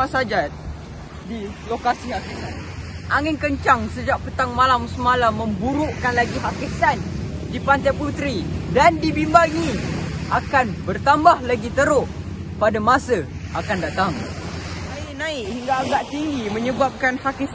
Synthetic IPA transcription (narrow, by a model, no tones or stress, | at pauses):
asad͡ʒa | dilokasihakisanʔaŋɪnkəɲt͡ʃaŋsəd͡ʒaʔ̚pət̪aŋmalamsəmalaməmbuɾuʔkanlaɡiɦakisan | dipant̪aput̪ɾidandibimbaŋiakanbərt̪ambahlaɡit̪əɾʊh | padamasə | ʔakandat̪aŋ | naɪʔnaɪʔhiŋɡaːɡaʔt̪iŋɡiməɲəbap̚kanhaki